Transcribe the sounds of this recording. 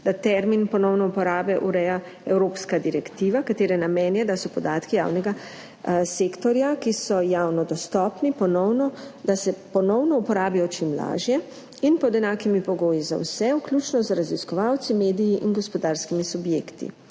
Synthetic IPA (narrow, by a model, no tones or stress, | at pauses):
d̪̥at̪ɛɾminpɔnɔwnɔupɔɾaːbɛʔuɾɛja | ɛwɾoːpskad̪iɾɛkt̪iːʋakat̪eːɾɛnamɛːnjɛd̪asɔpɔd̪aːt̪kija̰ːwnɛɡa | seːkt̪ɔɾjakisɔjaːwnɔd̪ɔst̪ɔːpnipɔnɔwnɔd̪asɛpɔnɔwnɔupɔɾaːbijɔt͡ʃimla̰ːʒjɛ | inpɔd̪ɛnaːkimipɔɡoːjiza̰wsɛwklʲuːt͡ʃnɔzɾaziskɔʋawt̪simeːd̪ijiʔinɡɔspɔd̪aːɾskimisubjeːkt̪ḭ